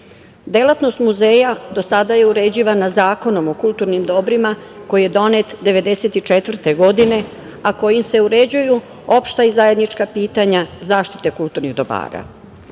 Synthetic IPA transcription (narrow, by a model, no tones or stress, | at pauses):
d̪e̞lˠat̪no̞st̪muzeːjad̪o̞sad̪aje̞uɾe̞d͡ʑiʋanazaːko̞no̞mo̞kulˠt̪uːɾnimd̪o̞bɾima | ko̞jije̞d̪o̞net̪d̪e̞ʋe̞d̪e̞se̞t̪it͡ʃet̪ʋr̩t̪e̞ɡo̞d̪ine̞ | ako̞jimse̞uɾed͡ʑuju | o̞pʃt̪aizaje̞d̪nit͡ʃkapiːt̪aɲazaːʃt̪i̥t̪e̞kulˠt̪uːɾniɣd̪o̞ba̰ːɾa̰